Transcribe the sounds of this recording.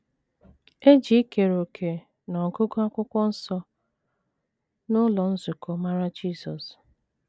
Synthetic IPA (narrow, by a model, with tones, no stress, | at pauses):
e˦d͡ʒi˦ke˨ɾo˨kʰe˨ | nɔ˨ɡʊ˦ɡo˦a˦kʷʊ˦kʷɔ˦n̩˦sɔ˦ | nʊ˦lɔ˨n̩˦zʊ˨kɔ˨ma˦ɾa˦d͡ʒi˦zɔ˨s